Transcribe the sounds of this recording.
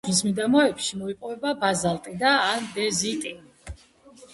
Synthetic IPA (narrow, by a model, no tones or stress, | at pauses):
vismid̪amɔɛpʃimɔipʼɔvɛbabazalˠt̪ʼid̪aːnb̪ɛzit̪ʼi